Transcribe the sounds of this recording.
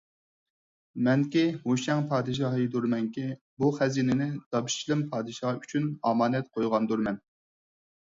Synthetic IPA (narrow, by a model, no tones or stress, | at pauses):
mɛŋkʲihoʃɛŋpʰɑːd̪ɨʃ̬ɑɦɨd̪uɾmɛŋkʲi | buχæziːnɪnɪd̪ɑpi̥ʃt͡ʃʰilˠɪmpʰɑːd̪ɨʃɑyt͡ʃʰynɑmɑːnɛt̪̚qʰojʁɑnd̪uɾmɛn